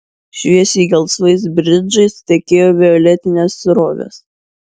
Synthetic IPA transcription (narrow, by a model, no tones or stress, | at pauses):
ʃʲojɛsiːɡʲɛlˠslˠɐɪs̬bʲɾʲɪd͡ʒɐɪst̪ʲɛkʲeːjoːʋʲɪɔlʲɛt̪ʲɪnʲeːsɾoːʋʲɛ̰s